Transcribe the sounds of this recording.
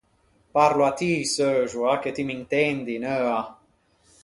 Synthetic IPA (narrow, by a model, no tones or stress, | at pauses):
paɾloat̪isøʒuaket̪imint̪ɛnd̪inøːa